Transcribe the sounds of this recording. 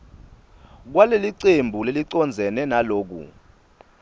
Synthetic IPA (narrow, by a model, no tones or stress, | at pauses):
k̬waleliǀembʱuleliǀɔnd͡zʱɛnɛnaloːk̬ṵ